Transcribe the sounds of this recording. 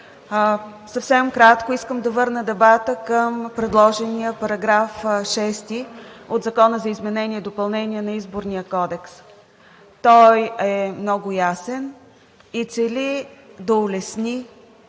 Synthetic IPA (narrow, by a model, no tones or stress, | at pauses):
sɐfsɛmkɾat̪koiskəmd̪ɐvɤɾnəd̪ɛbat̪əkəmpɾɛd̪lˠɔʒɛnijəpɐɾɐɡɾafʃɛst̪i | ot̪zɐkɔnəzɐizmɛnɛnʲiɛd̪opɐlˠnɛniɛnɐizboɾnijəkɔd̪ɛks | t̪ɔjɛmnɔɡʊjasɛn | it̪sɛlid̪ɐʊlɛsni